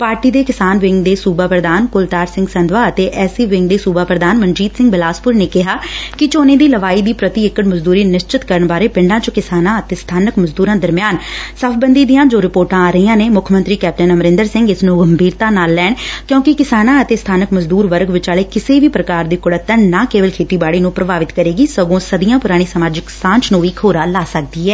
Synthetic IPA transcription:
paːɾʈiːd̪eːkɪsaːnʋɪŋɡd̪eːsuːbaːpɾəd̪aːnkʊlt̪aːɾsɪ̃ŋɡsənd̪ʋaːət̪eːʔɛːsiːʋɪŋɡd̪eːsuːbaːpɾəd̪aːnmənd͡ʒiːt̪sɪ̃ŋɡbɪlaːspʊɾneːkɪɦaːkɪt͡ʃoːnẽːd̪iːləʋaːiːd̪iːpɾət̪iːɪkːəʈməzd̪uːɾiːnɪʃt͡ʃɪt̪kəɾəɳbaːɾeːpɪ̃ɳɖãːt͡ʃʊkɪsaːnãːət̪eːst̪ʰaːnəkməzd̪uːɾãːd̪əɾmɪjaːnsəpʰbənd̪iːd̪iːãːd͡ʒoːɾɪpoːɾʈãaːɾəiːãːneːmʊkʰmənt̪ɾiːkɛːp̚ʈənəməɾɪ̃nd̪əɾsɪ̃ŋɡɪsnũːɡəmbiːɾt̪aːnaːlːɛːɳkjõːkɪkɪsaːnãːət̪eːst̪ʰaːnəkməzd̪uːɾʋəɾɡʋɪt͡ʃaːɭeːkɪseːʋiːpɾəkaːɾd̪iːkʊɽət̪ːənnaːkeːʋəlkʰeːt̪iːbaːɽiːnũːpɾəbaːʋɪt̪kəɾeːɡiːsəɡõːsəd̪ijãːpʊɾaːɽ̃iːsəmaːd͡ʒɪksãːnt͡ʃnũːʋiːkʰoːɾaːlaːsək̚d̪iːɛː

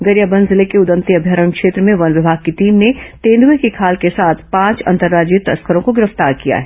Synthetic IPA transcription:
ɡɐɾjəbə̃nzɪlekeʊd̪ə̃nt̪iɐbʱjəɾəɳkʃeːt̪ɾəmẽʋɐnʋɪbʱaːɡ̚kit̪iːmnet̪ẽːnd̪uekikʰaːlkesaːt̪ʰpãːt͡ʃɐ̰̃nt̪əɾːaːd͡ʒiət̪ɐskəɾõkoɡɪɾəft̪aːɾkija̰ɦɛː

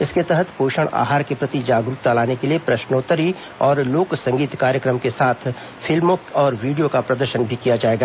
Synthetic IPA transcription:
ɪsket̪ɛɦət̪poːʃəɽ̃a̰ːɦaːɾkepɾɐt̪id͡ʒaːɡɾup̚t̪alaːnekeliepɾɐʃnoːt̪əɾi | ɔːɾloːksɐ̃ŋɡiːt̪kaːɾjəkɾəmkesaːt̪ʰ | fʰɪlmokɔːɾʋiːɖijokapɾɐd̪əɾʃənbʱikijad͡ʒaːeːɡaː

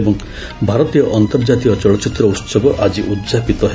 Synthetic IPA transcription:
bɔŋ | bʱaɾɔt̪ijɔʔɔnt̪ɔɾd͡ʒat̪ijɔt͡ʃɔɭɔt͡ʃit̪ɾɔut̪sɔbɔʔad͡ʒiʔud̪d͡ʒapit̪ɔɦe

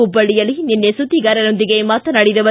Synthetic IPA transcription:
ubɐɭijɐlininːesud̪ːiɡaɾɐnond̪ɪɡejmaːt̪ːɐnɐɽid̪ɐʋɐ

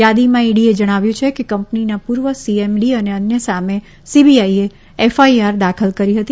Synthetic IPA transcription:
jad̪imãiɽied͡ʒəɽ̃aʋjũt͡ʃʰekekəmpninapuɾʋəsiemɖiəneənjəsame | sibiaie | efaiaɾd̪akʰəlkəɾiɦət̪i

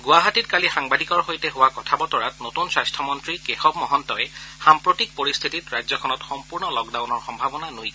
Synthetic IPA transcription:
ɡʊwaɦatitkalixaŋbadʱikɔɹxojtɛɦʊwakɔtʰabɔtɔɹatnotunswajstʰɔmɔntɹikexɔbmɔɦɔntɔɛxampɹotik̚poɹist̪ʰititɹajzɔkʰɔnɔtxɔmpuɹnɔlɔkdawnɔɹxɔmbʱabɔnanoj

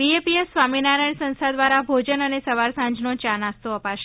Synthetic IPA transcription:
ʋiepiesːʋaminaɾajɳsə̃nsad̪ʋaɾabʱod͡ʒənənesəʋaɾsãɲd͡ʒnot͡ʃanast̪oəpaʃe

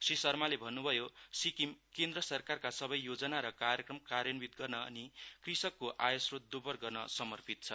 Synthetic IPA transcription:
sisʌrmalebʱʌnːubʱʌjosikimkend̪rʌsʌrkarkasʌbʌjːod͡zʌnaɾʌkarjʌkrʌmkaɾjʌnbit̪ɡʌrnʌʌ̰nikrisʌkːoʔajosrot̪̚d̪ubʌrɡʌrnʌ̰sʌmʌrpit̪̚t͡sʰʌ

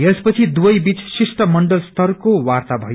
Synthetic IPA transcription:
espʌt͡sʰid̪uwʌjbit͡ssisʈʌmʌɳɖʌlst̪ʰʌrkowart̪abʱʌ̰j

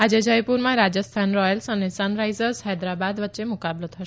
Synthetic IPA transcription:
ad͡ʒed͡ʒəjpuɾmãɾad͡ʒəst̪ʰanɾɔjəlsənesənɾajzəɾsɦɛd̪ɾabad̪ʋətːʃemukablət̪ɦəʃ

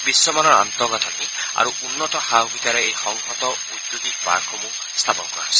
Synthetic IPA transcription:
bisːɔmanɔɾa̰nt̪ɔɡɔt̪ʰania̰ɾuunːɔt̪ɔhawbʱit̪aɾeejxɔŋɦɔt̪ɔ | ud̪ːud̪ipa̰ɾkʰɔmũ | st̪ʰapɔnkɔa̰sɔ̥

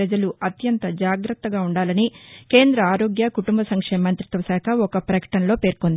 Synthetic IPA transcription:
ɐd͡ʒɐluɐt̪jɐnt̪ɐd͡ʒaːɡɾɐt̪ːɐɡaːuɳɖaːlɐnike̞ːnd̪ɾɐaːɾo̞ːɡjɐkuʈumbɐsɐŋkʂeːmɐnt̪ɾit̪ʋɐsaːkʰɐɔkɐpɾɐkɐ̥ʈɐnɐlo̞ːpe̞ːɾkond̪i

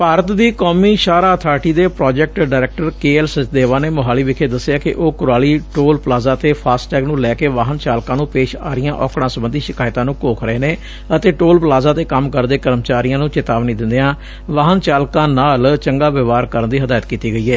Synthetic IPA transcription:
paːɾət̪d̪iːkɔːmiːʃaːɾaːət̪ʰaːɾʈiːd̪eːpɾɔːd͡ʒɛːk̚ʈɖaːɾɛːk̚ʈəɾkeːɛːlsət͡ʃd̪eːʋaːneːmʊɦaːliːʋɪkʰeːd̪əsːjaːkɪ̰ʔoːkʊɾaːliːʈoːlplaːzaːt̪eːpʰaːsʈɛːɡnũːlɛːkeːʋaːɦənt͡ʃaːlkãːnũːpeːʃaːɾɪjãːʔɔ̰ːkɽãːsəbənd̪iːʃɪkaːɪt̪ãːnũːkoːkʰɾəeːneː | ət̪eːʈoːlpəlaːzaːt̪eːkəmkəɾd̪eːkəɾmt͡ʃaːɾɪjãːnũːt͡ʃɪt̪aːʋniːd̪ɪ̃nd̪eãː | ʋaːɦənt͡ʃaːlkãːnaːlt͡ʃəŋɡaːʋɪʋaːɾkəɾənd̪iːɦəd̪aːjət̪kiːt̪iːɡəiːɛː

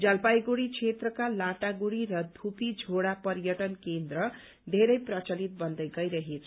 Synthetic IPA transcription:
d͡zʌlpajɡuɽit͡sʰet̪rʌkalaʈaɡuɽiɾʌd̪ʱupid͡zʱoɽapʌɾjʌʈʌnkend̪rʌ | d̪ʱeɾʌjprʌt͡sʌlit̪̚bʌnd̪ʌjɡʌjɾʌɦet͡sʰ

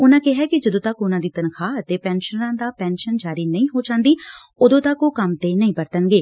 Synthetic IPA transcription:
ʊnãːkɪɦɛːkɪd͡ʒəd̪õːt̪akʊnãːd̪iːt̪ənkʰaːət̪eːpɛ̃ːnʃənãːd̪aːpɛ̃ːnʃənd͡ʒaːɾiːnəĩːɦoːd͡ʒãːnd̪iː | ʊd̪õːt̪akoːkəmt̪eːnəĩːpəɾt̪ənɡeː

